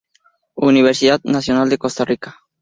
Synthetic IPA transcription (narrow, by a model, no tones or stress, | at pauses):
uniβ̞eɾsiðat̪nasjonald̪e̞kost̪arikḁ